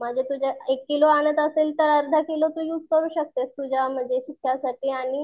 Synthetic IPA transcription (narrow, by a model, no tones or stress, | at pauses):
məd͡ʑʱet̪ud͡ʑaekːiloañət̪əselt̪əɾəɾd̪ʱakilot̪uːjuːd͡zkəɾuːɕək̚t̪est̪ud͡ʑam̤əd͡zesukʰjasaʈiːaɽ̃i